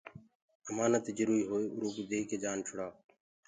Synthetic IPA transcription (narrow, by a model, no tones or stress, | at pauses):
əmaːnət̪d͡ʒʊɾuːiːɦoːeːʊɾuːkid̪eːikeːd͡ʒaːnt͡ʃʰʊɽaː